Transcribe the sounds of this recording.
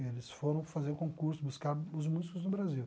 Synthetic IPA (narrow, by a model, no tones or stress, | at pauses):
elɪsfoɾɐ̃w̃fazeɾkõkuɾsʊbuskaɾʊzmuzikʊznʊbɾaziw